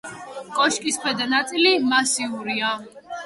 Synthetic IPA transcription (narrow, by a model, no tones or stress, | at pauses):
kʼɔʃkʼispʰwɛd̪anat̪sʼilimasiuɾia